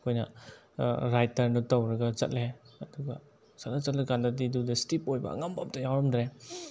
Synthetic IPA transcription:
kʰojnɐ̰ | ɾajtɐɾnutawɾɐɡɐt͡ʃɐ̰t̚leɐduɡa | sat̚lat͡ʃɐt̚lekandadidudɐstipojbɐ̰ːŋambap̚tajawɾɐmdɾe

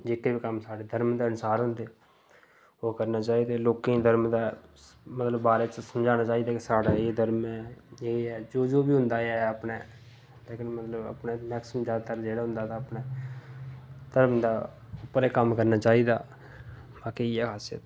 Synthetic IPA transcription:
d͡ʒeːkeːbiːkəmsaːɽeːd̪ʱəɾmd̪eːənsaːɾɦʊ̃nd̪eː | oːkəɾnaːt͡ʃaːiːd̪eːloːkẽĩːd̪ʱəɾmd̪aː | mət̪ləbːaːɾeːt͡ʃəsəmd͡ʒaːnaːt͡ʃaːiːd̪aːkesaːɽaːeːd̪əɾmɛeːɛːd͡ʒoːd͡ʒoːbiːɦʊ̃nd̪aːeəpneː | leːkənmət̪ləbə̰pneːmɛːksəmd͡ʒaːd̪at̪əɾd͡ʒeːɽaːɦʊnd̪aːt̪aːəpneː | d̪əɾmd̪aː | ʊpːəɾeːkəmkəɾnaːt͡ʃaːiːd̪aː | baːkiiːɛːkʰaːsjə̰t̪

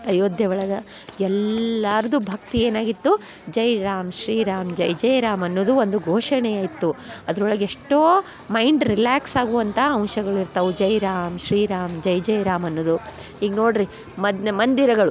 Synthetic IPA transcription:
ɐjoːd̪ʱjɐʋɐɭɐɡɐ | ɛlːaːɾɐd̪ubʱɐk̚t̪ie̞ːnaːɡit̪ːud͡ʒɐjɾaːmʃɾiːɾaːmd͡ʒɐjd͡ʒɐjɾaːmɐnːoːd̪uond̪uɡʱoːʂɐɳɛjaːjit̪ːuɐd̪ɐɾɔɭɐɡeeʂʈoː | mɐjɳɖɾilaːksaːɡuʋɐnt̪ʰɐɐwʃɐɡɐɭiɾt̪ɐʋud͡ʒɐjɾaːmʃɾiːɾaːmd͡ʒɐjd͡ʒɐjɾaːmɐnːoːd̪u | iːɡno̞ːɽɾi | mɐd̪mɐnd̪iɾɐɡɐɭu

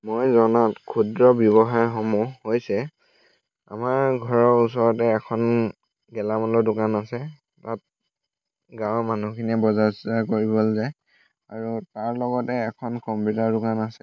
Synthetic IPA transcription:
mojzɔnatkʰudɹɔbjɔβɔxajxɔmuhojsɛ | a̰maɹɡʱɔɹɔɹus̬ɔɹɔtɛːkʰɔn | ɡɛlamɔlɔdʊkanasɛ | tat̚ | ɡãwmanukʰiniɛbɔzastakoɹibɔlza | aɹutaɹlɔɡɔtɛːkʰɔnkɔmpjutaɹdʊkanasɛ

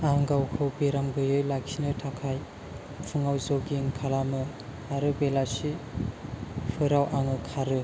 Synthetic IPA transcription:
aŋɡawkʰɯwbeɾamɡɯjɯjlaksinɯtʰakʰaj | pʰɯŋawzoɡiŋkʰalamɯ | aɾɯbelasi | pʰɯɾawʔaŋɯkʰaɾɯ

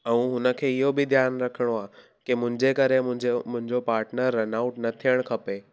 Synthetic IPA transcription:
ɛ̃ũɦʊnə̆kʰeːɪɦobɪd̪ʱjaːnɾɐkʰəɽ̃oaː | kimʊ̃ɦɪ̃ɲd͡ʑekɐɾemʊ̃ɦd͡ʑemʊ̃ɦɪ̃ɲd͡ʑopaːɾʈnəɾːɐnaːʊʈnɐt̪ʰijəɽ̃kʰɐpe

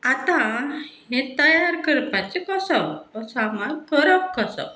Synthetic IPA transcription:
at̪ãɦẽt̪əjaɾkəɾpat͡sekəsɔɔsamakəɾəkkːəsɔ̰

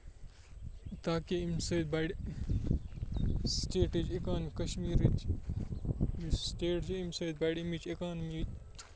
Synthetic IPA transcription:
t̪aːkeimsɐt̪baɽ | sʈeːʈid͡ʒekaːnkɐʃmiːɾit͡ʃ | sʈeːʈd͡ʒimsɐːd̪̚baːɽimit͡ʃekaːnmit̪

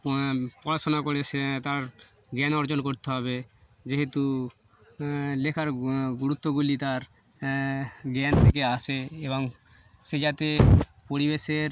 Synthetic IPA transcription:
pɔɾasonakoɾeset̪aɾ | ɡɛnɔɾd͡ʑonkoɾt̪eɦɔbe | d͡ʑeɦet̪u | lekʰaɾɡuɾut̪ːoɡulit̪aɾ | ɡɛnt̪ʰekeaseeboŋ | sed͡ʑat̪epoɾibeʃeɾ

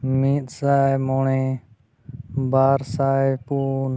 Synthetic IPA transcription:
miːt̪saːmoːɳeː | baːɾsaːepuːn

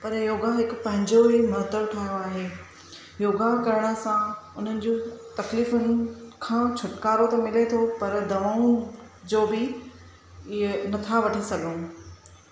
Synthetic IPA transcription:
pɐɾjoːɡaɦɪkʊpɐ̃ɦɪ̃ɲd͡ʑoɦimɐɦt̪əɾʈʰaːɦijoaːɦeː | joːɡakɐɾəɽ̃ə̆sãʊn̤ənɪ̆d͡ʑoːt̪ɐkliːfʊnkʰãːt͡ɕʰʊʈkaːɾot̪ɐmɪlet̪ʰopɐɾd̪ɐʋaːũ | d͡ʑoːbɪ | ɪenɐt̪ʰaʋɐʈʰəsɐɠũː

